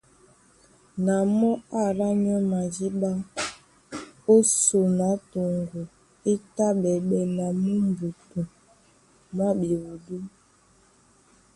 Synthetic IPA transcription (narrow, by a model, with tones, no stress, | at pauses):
na˨mɔ˦a˦ɾa˦ɲɔ˦ma˨d͡ʒi˦ɓa˦ | o˦so˨na˨˦to˨ŋɡu˨ | e˦ta˦ɓɛ˨ɓɛ˨na˨mu˦mbu˨tu˨ | m˦a˦be˨wu˨du˦